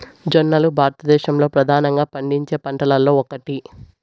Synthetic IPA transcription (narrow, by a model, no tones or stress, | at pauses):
d͡ʒɐnːɐlubʱaːɾɐt̪ɐd̪ɛːʃɐmlo̞ːpɾɐd̪ʱaːnɐŋɡaːpɐɳɖiɲt͡ʃe̞ːpɐɳʈɐlɐlːo̞ːɔkɐʈi